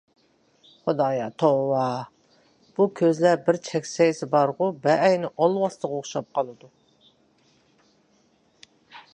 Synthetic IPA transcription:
χod̪ɑːjɑt̪ʰowɑ | b̥ukʲʰøzlæɾbɪɾt͡ʃʰɛkʲsɛjsɪbɑɾʁʊbɛʔːjnɪʔɑlˠwɑst̪ˠəʁoχʃɑp̚qʰɑlˠɨd̪u

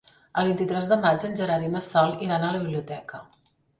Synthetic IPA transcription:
əlˠβint̪it̪ɾɛzðəmad͡ʒənʲʒəɾaɾiməsɔliɾanələβiβliut̪ɛkə

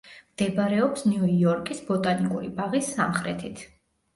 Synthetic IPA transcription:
md̪̥ɛbaɾɛɔpsniuiɔɾkʼisbɔt̪ʼanikʼuɾibaʁisːa̰mχɾɛ̰t̪ʰit̪ʰ

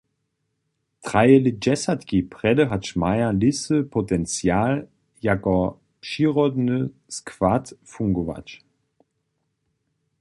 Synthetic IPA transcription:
tʁ̥ajəlid͡ʒɛsatkipʁ̥ɛdəɦaʃmaɪɐlɪsəpʰotɛnt͡sjaːl | jakɔ | ʃiːʁɔdnəskv̥atfuŋɡova̰t͡ʃ

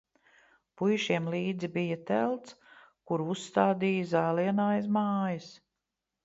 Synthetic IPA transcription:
pujʃiɛmliːd̪zibijat̪ɛlˠt̪s | kuɾusːt̪aːd̪iːjəzaːliɛnaːjsmaːjɐs

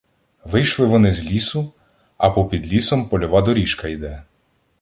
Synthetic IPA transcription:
ʋɪjʃlˠɪʋɔnɪzʲlʲisʊ | ɐpɔpʲid̪lʲisɔmpɔlʲɔʋɑd̪ɔɾʲiʃkɐjd̪ɛ

